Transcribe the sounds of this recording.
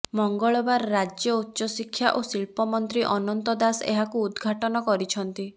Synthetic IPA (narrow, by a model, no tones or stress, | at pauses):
mɔŋɡɔɭɔbaɾːad͡ʒjɔut̪ːʃɔsikʰːjaʔosilpɔmɔnt̪ɾiʔɔnɔnt̪ɔd̪asḛɦakuːd̪ɡʱaʈɔnɔkɔɾit͡ʃʰɔnt̪i